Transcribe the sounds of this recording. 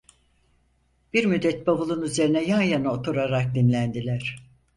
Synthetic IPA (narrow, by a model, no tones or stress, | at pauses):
b̥iɾmyd̪ːɛt̪̚babɯlˠunyze̞ɾinɛjanjanɯot̪ʰuɾaɾak̚d̪imlʲænd̪ilʲæɾ̥